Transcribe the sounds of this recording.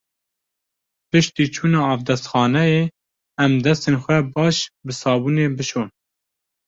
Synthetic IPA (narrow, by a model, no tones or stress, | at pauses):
pɨʃt̪iːt͡ʃʰuːnɑːɑːvd̪ɛst̪xɑːnɛjeː | ɛmd̪ɛst̪eːnxʷɛbɑːʃbɨsɑːbuːneːbɨʃoːn